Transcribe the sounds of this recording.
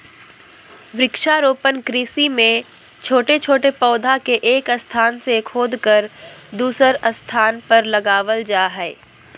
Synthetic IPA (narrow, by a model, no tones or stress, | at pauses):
ʋɾɪkʃaɾoːpənkɾiːsimẽ | t͡ʃʰoːʈet͡ʃʰoːʈepɔːd̪ʱakeʔeːkəst̪ʰaːnsekʰoːd̪kəɾd̪uːsəɾəst̪ʰaːnpɐɾlɐɡaːʋəld͡ʒaːɦɛː